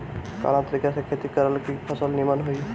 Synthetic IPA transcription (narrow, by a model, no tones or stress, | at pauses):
ka̰ñat̪ɾikasəkʰːet̪ikəɾəlkipʰɔsəlnimanɦoj